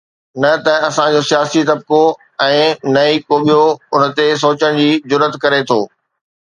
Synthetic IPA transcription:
nɐt̪ɐɐsãd͡ʑoːsijaːsit̪ɐb̚ko | ɛ̃ːnɐikoːɓijoʊnt̪es̬oːt͡ɕəɽ̃d͡ʑiːzʊɾət̪kɐɾet̪ʰoː

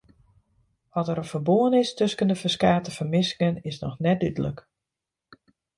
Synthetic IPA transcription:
ʋɔtəɾəfərboənɪstøskəndəfəskaːtəfərmɪsɪŋənɪsnɔ̰xnɛt̚dydələ̰k

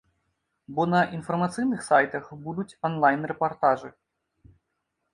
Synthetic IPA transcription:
bɔnɐʔinfɐrmat̪sɨjnɨxsajt̪ɐxbud̪ut͡sʲɔnlˠajnrɛpart̪aʐɨ

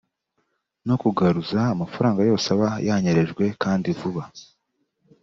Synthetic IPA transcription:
no̞kuɡaɾuzaːmafaɾaːŋɡajo̞ːseaβajaɲe̞ɾe̞ʒɡwe̞kaːndivuβa

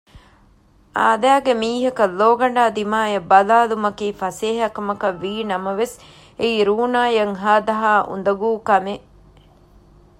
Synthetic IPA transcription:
a̰ːd̪æːɡemiːɦɐkɐlːoːɡɐɳ̆ɖaːd̪imaːjɐbɐlaːlumɐkiːfɐseːɦɐkɐmɐkɐʋːiːnɐmɐʋes | eiɾuːnaːjɐŋɦaːd̪ɐɦaːʔṵnd̪ɐɡuːkɐme

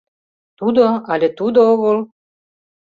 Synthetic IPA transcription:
t̪ud̪oɑlʲet̪ud̪ooɣol

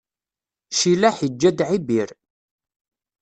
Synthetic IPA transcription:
ʃilæħid͡ʒːæd̪ʕibiɾ

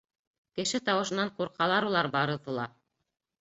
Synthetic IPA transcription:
kɘ̆ʃɘt̪ɑwɤ̆ʃɤ̆nːɑɴquɾqɑlˠɑɾulˠɑɾbɑɾɤ̆ðɤ̆lˠɑ

